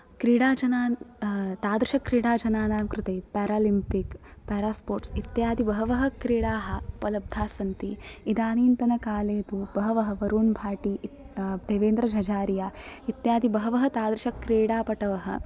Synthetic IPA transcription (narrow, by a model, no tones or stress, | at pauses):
kɾiːɽaːd͡ʒɐnaːt̪aːd̪ɾɪʃɐkɾiːɽaːd͡ʒɐnaːnaːmkɾut̪eːpɛːɾaːlimpikpɛːɾaːspoːɾʈsit̪jaːd̪ibɐɦɐʋɐɦɐ̆kɾiːɽaːɦɐ̆pɐlɐb̚d̪ʱaːsɐnt̪iid̪aːniːnt̪ɐnɐkaːleːt̪ub̥ɐɦɐʋɐɦɐ̆ʋɐɾuːnbʱaːʈi | d̪eːʋeːnd̪ɾɐd͡ʒʱɐd͡ʒaːɾijaːit̪jaːd̪ibɐɦɐʋɐɦɐt̪aːd̪ɾɪʃɐkɾiːɽaːpɐʈɐʋɐɦɐ̰